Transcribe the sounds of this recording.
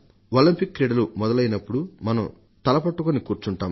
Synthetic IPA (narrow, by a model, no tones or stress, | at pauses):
olɐmpikːɾiːɽɐlumɔd̪ɐlɐjinɐpːuɽumɐnɐm | t̪ɐlɐpɐʈːukonikuːɾt͡ʃuɳʈaːm